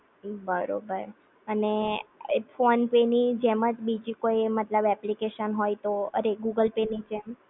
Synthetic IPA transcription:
bəɾo̰bəɾ | əne | fonpenid͡ʒemət͡ʃbid͡ʒikoimət̪ləbɛplikeʃənɦojt̪oə̰ɾeɡuɡəlpenid͡ʒem

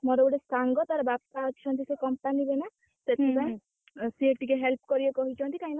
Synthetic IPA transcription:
mɔɾɔbuɽesaŋɡɔt̪aɾɔbapt̪at͡ʃʰɔnt̪isekɔmpanibena | set̪ʰepaẽ | sieʈikeɦelp̚kɔɾibekɔɦit͡ʃʰɔ̃nt̪ikaĩna

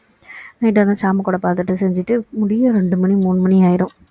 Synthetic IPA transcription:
nɐɪʈ̬ːɐt̪ãːt͡ʃaːmɐkoːɽɐpaːɾt̪ɯʈːɯsɛɲd͡ʒɪʈːɯmʊɽɪjɐɾɛɳɖɯmɐɳimuːnːɯmɐniaːjɪɾɯ̃m

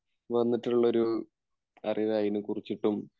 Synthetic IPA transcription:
ʋɐnːiʈːuuɭːɐo̞ɾu | ɐriʋajinɨkurit͡ɕːiʈːum

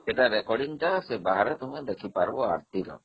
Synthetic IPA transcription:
eʈaɾɛkɔɽinʈasebaɦaɾɛt̪ɔmɛd̪ekʰipaɾbɔa̰ɾt̪iɾɔ̰

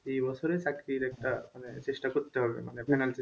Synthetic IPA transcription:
ibɔsʰoɾesakɾiɾɛk̚ʈamanet͡ɕesʈakɔɾt̪eɦɔbḛmanepɛnalt͡ɕe

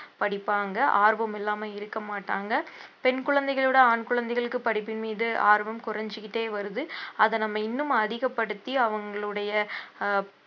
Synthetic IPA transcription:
pɐɽɪpːaːŋɡɐʔaːɾʋɐmɪlːaːmɐɪɾɯkːɐmaːʈːaːŋɡɐpɛnkʊɻɐnd̪ɛɪɣɐɭɯɽɐaːɳkɯɭɐnd̪ɛɪɣɐɭɯkːɯpɐɽɪpːɪnmiːðɯʔa̰ːɾʋɐmkʊrɐɲd͡ʒɯkɪʈːeːʋɐɾɯðɯɐðɐnɐmːɐɪnːɯmɐðɪɣɐpːɐɽɯt̪ːiɐʋɐŋɡɐɭɯɽɐjɐ

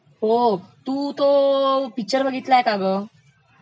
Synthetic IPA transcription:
ɦot̪uːt̪opik̚t͡ɕəɾbʱəɡʱit̪laekabə

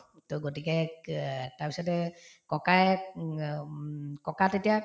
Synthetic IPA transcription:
toɡotikɛ | taɹpisɔtɛkɔkaj | kɔkatetija

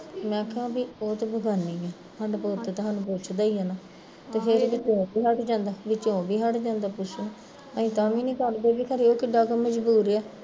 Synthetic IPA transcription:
mɛ̃ːkʰãːbiːoːt̪ːbəɡʱaːniːɡaː | ɦəɖpoːt̪et̪ɦaːnũːpoːt͡ʃʰd̪aːiːɦaːnaː | t̪eːpʰɪɾʋɪt͡ʃõːbiːɦəʈd͡ʒãːnd̪aːʋɪt͡ʃõːbiːɦəʈd͡ʒãːnd̪aːpʊt͡ʃʰn | əĩːt̪aːmĩːnĩːkəɾd̪eːbiːkʰəɾiːoːkɪɖaːkəmə̃d͡ʒbuːɾɛː

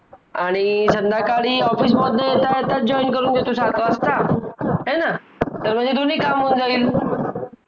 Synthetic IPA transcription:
aɽ̃isənd̪ʱakaɽiɔfismɔd̪ʱet̪aet̪ad͡ʒɔinkəɾund͡ʒet̪usat̪ʰoəst̪aɦena | t̪əɾmə̃d͡ʒet̪unikamɦũnd͡zail

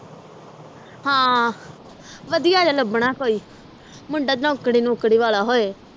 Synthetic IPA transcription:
hãː | ʋəd̪ɪjaːd͡ʒaːləbɽ̃aːkoːiː | mʊ̃ɳɖaːd͡ʒnãːʊkɽiːnũʊkɽiːʋaːlaːɦoːeː

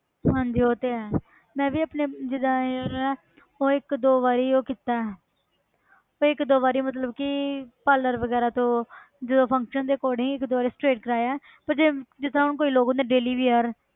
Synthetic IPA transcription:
ɦãːɲd͡ʒiːoːt̪eːɛː | mɛ̃ːʋiːəpneːd͡ʒɪd̪aːɾɛː | oːɪkd̪oːʋaːɾiːoːkɪt̪ːaːɛ | oːɪkd̪oːʋaːɾiːmət̪̬ləbkɪpaːlːəɾʋəɡɛːɾaːt̪õː | d͡ʒəd̪õːpʰə̃ŋkʃənd̪eːkoːɽĩɪkd̪oːaɾiːsʈɾeːʈkəɾaːjaːɛː | pəɾd͡ʒeːd͡ʒɪt̪ʰːãʊnkoːiːloːɡõːnd̪eɖeːliːʋiːəɾ

